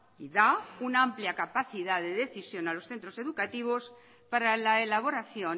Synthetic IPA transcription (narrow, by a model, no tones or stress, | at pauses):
iðaunaampljakapaθiðaðe̞ðe̞θisjo̞nalo̞sθe̞nt̪ɾo̞se̞ðukat̪iβ̞o̞s | paɾalaelaβ̞o̞ɾaθjo̞